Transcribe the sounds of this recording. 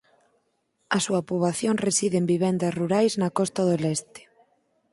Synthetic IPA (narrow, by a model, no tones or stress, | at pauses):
ɐsuɐpuβaθjoŋresiðembiβɛnd̪ɐsruɾajznɐkɔst̪aðolɛst̪ɪ̥